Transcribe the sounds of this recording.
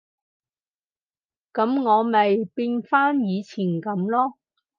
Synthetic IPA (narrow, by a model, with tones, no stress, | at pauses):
kɐ˨˥mŋɔː˨˧mɐ˨jpiː˧nfaː˥njiː˨˧t͡sʰiː˨˩nkɐ˨˥mlɔː˥